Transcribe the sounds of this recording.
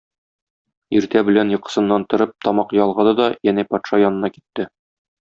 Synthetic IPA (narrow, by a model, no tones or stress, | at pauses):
iɾt̪æbɘ̆lænjɤ̆qɤ̥̆sɤ̆nːɑnt̪ŏɾɤp̚t̪ɒmɑqjɒlˠʁɤ̆d̪ɤd̪ɒjænæpɒt̪ʃɑjɒnɤ̆nɑki̥t̪ːɘ